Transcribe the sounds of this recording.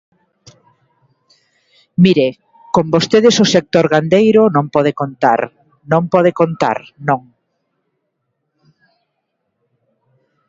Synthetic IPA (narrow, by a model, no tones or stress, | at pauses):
miɾe | kombost̪eðesosek̚t̪oɾɣand̪ejɾʊnõmpɔð̞ekont̪a̰ɾ | nõmpɔð̞ekont̪a̰ɾnõŋ